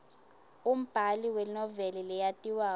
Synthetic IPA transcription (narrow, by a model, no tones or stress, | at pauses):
um̩b̥ʱaliwɛnɔvɛlɛlɛjatʼiwaː